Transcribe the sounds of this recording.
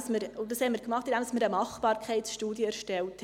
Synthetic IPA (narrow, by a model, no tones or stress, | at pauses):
sməɾʊd̥ɑshɛəmiːɾkmɑχtɪnd̪ɛmdɑsməɾəmɑχb̥ɑːɾkʰɛɪtsʃtuːdjəɛɾʃtɛltʰ